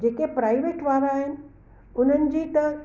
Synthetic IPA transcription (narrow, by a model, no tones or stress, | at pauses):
d͡ʑeːkepɾaːɪʋeːʈʋaːɾaːɦɪnɪ̆ | ʊn̤ənɪ̆d͡ʑiːt̪ɐ